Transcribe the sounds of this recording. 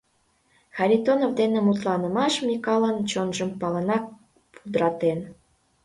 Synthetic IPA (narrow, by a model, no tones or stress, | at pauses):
xɑɾʲit̪onovd̪enemut̪lɑnəmɑʃmʲikɑlənt͡ɕonʒəmpɑlənɑk̚ | pud̪ɾɑt̪en